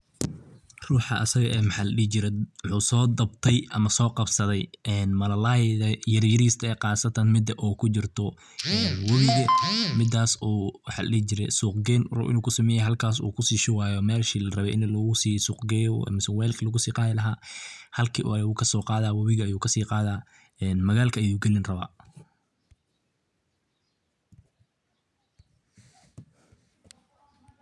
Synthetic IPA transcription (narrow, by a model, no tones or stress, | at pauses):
ruːħɑʔɐ̰sɐɣɐʔɛːmħaːlɐɗiːt͡ʃɪɾɛwʊħuːsɔːd̪ɐbt̪ʰɛjʔɐmɐsɔːqɑbsɐðɛjɛːnmɐlɐlaðɐjɐrjɐɾiːst̪ʰɐɛːqɑːsɐt̪ʰɐnmɪd̪ɐʔuːkʰʊt͡ʃɪrt̪ʰɔ | ɛːnwɐβɪɣɐmɪd̪ːaːswħa̰ːlɐ̰ɗiːt͡ʃɪɾɛ̰suːqɡɛnrṵʔɪ̰nuːkʰʊsɐmɛːjɛjɦɐlkʰaːs̬ṵːkʰʊsiːʃɪwaːjɔmɛːlʃiːlɐrɐβɛʔɪnlɐɣʊsiːsuːqɡɛjɔ̰mɪswɛːlkʰlɐɣʊsiːqɑːðɪlɐɦaːhɐlkʰḭʔɐuːkʰɐsɔːqɑːðaːwɐβɪɣɐɐjuːkʰɐsiːqɑːðaː | ɛːnmɐɣaːlkʰɐɐjuːɡɛlɪnrɐβa̰ː